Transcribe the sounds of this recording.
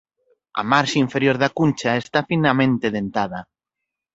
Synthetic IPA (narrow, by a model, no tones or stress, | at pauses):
a̰maɾʃaiɱfeɾjoɾðakunʲt͡ʃaest̪afinamẽnt̪eðent̪aðɐ